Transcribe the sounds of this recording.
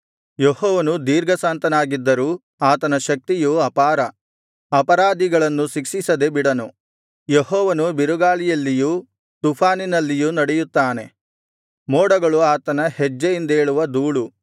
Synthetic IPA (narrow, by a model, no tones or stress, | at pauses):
jehɔːʋɐnud̪iːɾɡɐsaːnt̪ɐnaːɡid̪ːɐɾuː | aːt̪ɐnɐʃɐk̚t̪ijuɐpaːɾɐ | ɐpɐɾaːd̪iɡɐɭɐnːusiksisɐd̪e̞biɽɐnu | jeɦɔːʋɐnubiɾuɡaːɭijɐlːijuː | t̪upʰaːninɐlːijuːnɐɽɛjut̪ːaːne̞ | mɔːɽɐɡɐɭuaːt̪ɐnɐhɛd͡ʒːɐjind̪e̞ːɭuʋɐd̪uːɭu